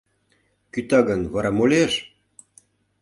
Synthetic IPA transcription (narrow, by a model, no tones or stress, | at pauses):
kyt̪ɑɡənβɑɾɑmolʲeʃ